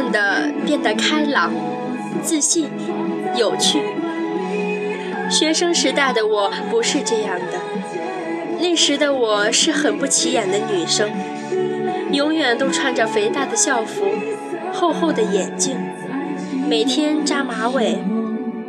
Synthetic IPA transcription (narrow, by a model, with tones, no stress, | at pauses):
ŋd̪ə˩pjɛ˥˩nd̪ə˩kʰa˥ɪlɑ˨˩˦ŋ | t͡sɹ̩˥˧ɕi˥˩n | jo˨˩ʊt͡ɕʰy˥˩ | ɕɥɛ˧˥ʂɤ˥ŋʂɻ̩˧˥t̪a˥˩ɪd̪ə˩wɔ˨˩˦ | pu˧˥ʂɻ̩˥˧ʈ͡ʂɤ˥˧jɑ˥˩ŋd̪ə˩ | ne˥˩ɪʂɻ̩˧˥d̪ə˧wɔ˨˩ʂɻ̩˥˩xə˨˩npu˥˩t͡ɕʰi˧˥jɛ˨˩nd̪ə˦ny˨˩ʂɤ˥ŋ | jʊ˧˥ŋjɥɛ˨˩nt̪o˥ʊʈ͡ʂʰwa˧˥nʈ͡ʂɤ˨˩fe˧˥ɪt̪a˥˩d̪ə˩ɕjɑ˥˩ʊfu˧˥ | xo˥˧ʊxo˥˩ʊd̪ə˩jɛ˨˩nt͡ɕi˥˩ŋ | me˨˩ɪt̪ʰjɛ˥nʈ͡ʂa˥ma˧˥we˨˩ɪ